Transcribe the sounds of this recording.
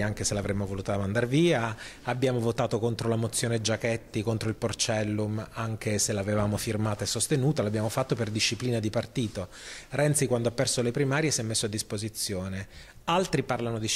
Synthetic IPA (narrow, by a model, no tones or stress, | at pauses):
aŋkeselavɾemːovoluːt̪amand̪aɾviːaabːjaːmovot̪aːt̪okont̪ɾolamot̪sːjoːned͡ʒakɛt̪ːikont̪ɾoilport͡ʃɛlːumaŋk̟eselavevaːmofirmaːt̪aesːost̪enuːt̪alabjaːmofat̪ːoperd̪iʃːipliːnad̪ipart̪iːt̪o | rɛnt̪sikwand̪oapːɛrsolepɾimaːɾjesjɛmːesːoad̪ːispozit̪sːjoːne | alt̪ɾiparlanod̪i